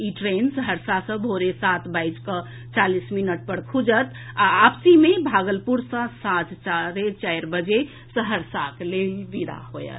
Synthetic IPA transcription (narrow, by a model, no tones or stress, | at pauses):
iʈɾensəɦəɾsasə̃bʱoɾesat̪ʰbajd͡ʒkə | t͡ʃalisminəʈ̚pəɽkʰud͡ʒət̪aːpsimebʱaɡəlpuɾsə̃sat̪t͡ʃaɾet͡ʃajɾbəd͡ʒe | səɦəɾsaklebid̪a̰ɦojə̰t̪